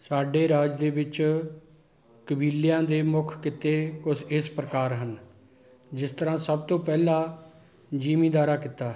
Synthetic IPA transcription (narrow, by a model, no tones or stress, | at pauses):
saːɖeːɾaːd͡ʒd̪eːbɪt͡ʃ | kəbiːlɪjãːd̪eːmʊkʰkɪt̪eːkʊsɪspɾəkaːɾɦən | d͡ʒɪst̪əɾãːsəb̚t̪õːpɛːlãː | d͡ʒiːmĩːd̪aːɾaːkɪt̪ːaː